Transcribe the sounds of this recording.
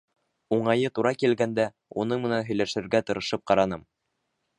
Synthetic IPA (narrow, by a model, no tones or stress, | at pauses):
uɴɑjɤt̪uɾɑkilɡænd̪æ | unɤɴmɘ̆nænɦɵ̆jlæʃɘ̆ɾɡæt̪ɤ̆ɾɤ̆ʃɤp̚qɑɾɑn̪ɤm